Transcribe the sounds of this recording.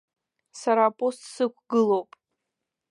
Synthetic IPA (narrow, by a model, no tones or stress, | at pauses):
saɾaːpʼo̞stʼsɨkʷʰɡɨlowpʼ